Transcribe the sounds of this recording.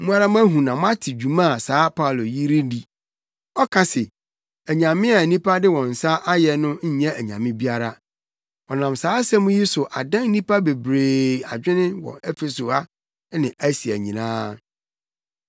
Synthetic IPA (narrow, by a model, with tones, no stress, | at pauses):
mũ˦a˦ɾa˦m̃˦æ˦ɦũ˨nã˨mʊ̃˦a˦tʰɪ˨d͡ʑu˨mã˦˨saː˨˦pʰa˦˨lo˨ji˦ɾi˦di˨ | ɔ˦kʰa˨sɪ˨ | æ˨ɲã˨mɪ̃˦a˨nĩ˦pʰa˦dɪ˦wɔ̃˨n̩˨sa˦ʔa˦jɛ˨nʊ̃˦ɲ̩˦ɲɛ̃˦æ˨ɲã˨mɪ̃˦bi˦a˦ɾa˦ | ɔ˨nã˨msaː˦sɛ˦mũ˦ji˦sʊ˨ʔa˨dã˦n˦nĩ˦pʰa˦be˨bɾeː˨a˨d͡ʑᶣɪ̃˦nɪ̃˦wɔ̰˨ɛ˦fe˨so˨a˦ | nɪ̃˨æ˦si˨æ˨ɲĩ˨nã̰ː˦